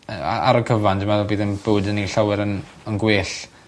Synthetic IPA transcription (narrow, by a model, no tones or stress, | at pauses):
əa̰a̰ɾəkʰəvandəmaðbiːðənbəwdənːiɬawɪɾənənɡweːɬ